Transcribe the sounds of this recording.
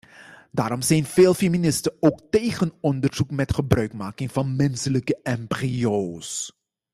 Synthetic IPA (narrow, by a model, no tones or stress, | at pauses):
daːɾɔmzɛjnv̥eːlˠfeminɪstəowktejχənɔndəɹz̥ukmɛtχəbrœɥkmaːkɪŋv̥ɑnmɛnsələkəɛmprios